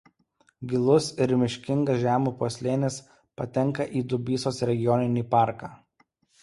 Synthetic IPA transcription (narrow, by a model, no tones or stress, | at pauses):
ɡʲɪlˠʊsɪɾmʲɪʃʲkʲɪŋɡɐsʒʲæːmuːpuɔsʲlʲeːnʲɪs | pɐt̪ʲɛŋˑkɐʔiːd̪ʊbʲiːsoːsɾʲɛɡʲɪjɔnʲɪnʲiːpɑˑɾkaː